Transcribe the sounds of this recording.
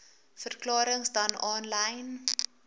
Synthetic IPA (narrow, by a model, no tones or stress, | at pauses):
fərklɑːɾəŋsdɐnɑːnlɛjn